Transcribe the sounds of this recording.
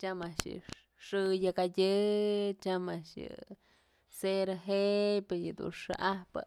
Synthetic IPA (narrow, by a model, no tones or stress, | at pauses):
t͡ʃamaʂjɨ̰ | ʂɨjakajʲɨt͡ʃamaʂjɨ̰ | seɾaɦepɨjɨd̪ṵnʂɨʔahpɨ̰